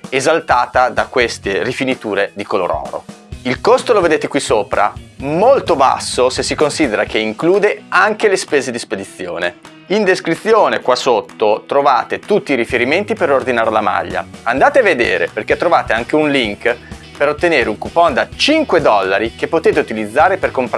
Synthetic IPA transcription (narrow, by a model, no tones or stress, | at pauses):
ezalt̪aːt̪ad̪akwest̪erifinit̪uːɾed̪ikolo̰ɾɔ̰ːɾo̰ | ilkost̪oloved̪eːt̪ekwisoːpɾa̰molt̪oba̰sːosesːikonsid̪eɾak̟eiŋkluːd̪eaŋkelespeːzed̪isped̪it̪sːjoːne | ind̪eskɾit̪sːjoːnekwasot̪ːot̪ɾovaːt̪et̪ut̪ːiːɾifeɾiment̪ipeɾord̪inaːɾlama̰ʎːa̰and̪aːt̪eaved̪ḛːɾḛperket̪ːɾovaːt̪eaŋk̟eunliŋk | peɾot̪ːeneːɾeuŋkupɔnd̪at͡ʃiŋkwed̪ɔlːaɾikepːot̪eːt̪eut̪ilid̪zːaːɾeperkomp